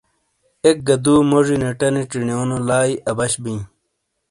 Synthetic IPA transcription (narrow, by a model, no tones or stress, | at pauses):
ek̚ɡɐd̪uːmoʐineʈɐniʈ͡ʂiɳioːnolaːiʔɐbɐɕbĩ